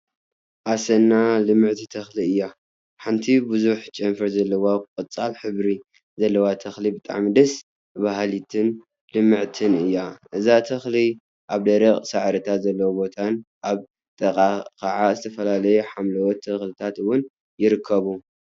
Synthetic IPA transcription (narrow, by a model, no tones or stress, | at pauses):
ʔasɐnːalɨmːɨʕt̪ʰit̪ʰɐxliɨjːa | ħant̪ʰibɨzuħt͡ʃʼɐmfɐɾzɐlːɐwaqʼɐt͡sʼalħɨβɾi | zɐlːɐwat̪ʰɐxlibɨt̪ʼa̰ʕmid̪ɐs | βaɦalit̪ʰɨn | lɨmːɨʕt̪ʰɨnɨjːaʔɨzat̪ʰɐxli | ʔaβd̪ɐɾɐχʼsaʕɾɨt̪ʰat̪zɐlːɐwobo̞t̪ʰanʔaβ | t̪ʼɐqʼakʰaʕazɨt̪ʰɐfɐlalɐjuħamlɐwɔt̪ʰːɐxlɨt̪ʰat̪ɨwːʊn | jɪɾɨkʰːɐβu